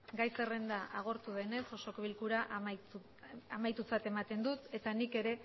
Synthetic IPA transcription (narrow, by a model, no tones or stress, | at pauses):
ɡajse̞re̞nd̪aaɣ̞o̞ɾt̪uð̞e̞ne̞so̞so̞kβilkuɾaʔ | amajt̪ut͡sat̪e̞mat̪e̞nd̪ut̪e̞t̪anike̞ɾe̞